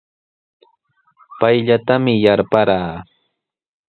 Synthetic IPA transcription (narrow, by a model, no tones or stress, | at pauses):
pajʎat̪amɪjaɾpaɾaː